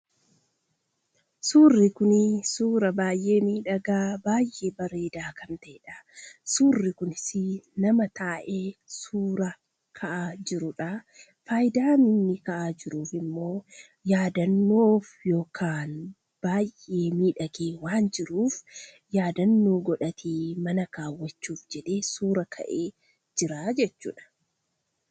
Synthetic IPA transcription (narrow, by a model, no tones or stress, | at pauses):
suːrːɪkʊnɪsuːɾɐbaːjʔe̞ːmiːᶑɐɡaːbaːjʔːeːbɐɾe̞ːd̪aːkɐnt̪ɐɛᶑɐ̥suːrːɪkʊnɪsɪnɐmɐt̪aːʔe̞ːsuːɾɐ | kʰɐʔaːd͡ʒɪɾʊᶑɐ | fajd̪aːmɪnːɪkɐʔaːd͡ʒɪɾuːfɪmːo̞ː | jaːd̪ɐnːoːfjo̞ːkʰaːn | b̥aːjʔe̞ːmiːᶑɐɡeːwaːnd͡ʒɪɾuːf | jaːd̪ɐnːo̞ːɡɔᶑɐt̪ʰiːmɐnɐkaːwːɐt͡ʃːuːfd͡ʒɛᶑe̞ːsuːɾɐkʰɐ̰ʔe̞ː | d͡ʒɪɾaːd͡ʒɛt͡ʃːṵːᶑɐ̥